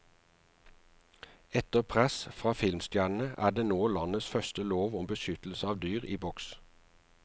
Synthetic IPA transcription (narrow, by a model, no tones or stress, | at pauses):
ɛt̪əʁpʰʁɛsfʁɑːfɪlmst̪jæːɳn̩əʔæ̰ːd̪eːnoːlɑnəsfœst̪əloːʋɔmbəʃʏt̪l̩səɑːʋd̪yːʁḭːbɔks